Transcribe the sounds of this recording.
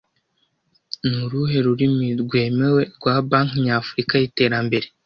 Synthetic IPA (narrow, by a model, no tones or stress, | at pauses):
nuɾuɦe̞ɾuɾimiɾɡwe̞ːme̞we̞ɾɡwabaːŋkɲaːfuɾikaite̞ːɾambe̞ɾe̞